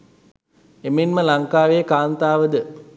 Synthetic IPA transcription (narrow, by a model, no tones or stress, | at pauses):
emenməlaŋkaːʋeːkaːnt̪aːʋəd̪ə